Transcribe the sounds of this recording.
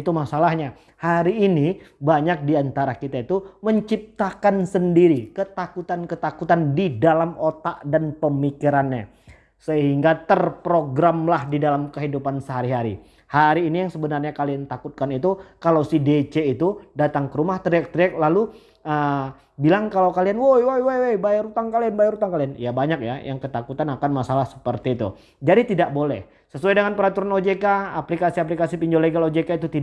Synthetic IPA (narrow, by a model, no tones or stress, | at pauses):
it̪umasalahɲa | haɾiːnibaɲak̚diant̪aɾakit̪ait̪uməɲt͡ʃip̚t̪akansəndiɾikət̪akut̪ankət̪akut̪andidalamot̪aʔdanpəmikiɾanɲa | səɦiŋɡat̪ərpɾoɡɾamlahdidalamkəɦidupansəɦaɾiɦaɾḭ | haɾiːnijaŋsəbənarɲakaliant̪akut̪̚kanit̪ukalawsidet͡ʃeit̪udat̪aŋkəɾumaht̪ɾiɛk̚t̪ɾiɛk̚lalu | ə | bilaŋkalawkalianwojwojwojwejbajaɾut̪aŋkalianbajɛɾut̪aŋkalianjabaɲak̚ja̰jʔa̰ŋkət̪akut̪anakanmasalahsə̥pərt̪iːt̪ṵ | d͡ʒadit̪idak̚bolɛ̰h | səsuajdəŋanpəɾat̪uɾanod͡ʒekaa̰plikasiaplikasipiɲd͡ʒoleɡalod͡ʒekait̪ut̪i